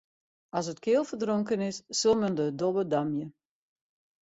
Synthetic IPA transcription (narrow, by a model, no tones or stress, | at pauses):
ɑs̬ətkɪːlˠfərdroŋkənɪsːɵlˠməndədobədamjə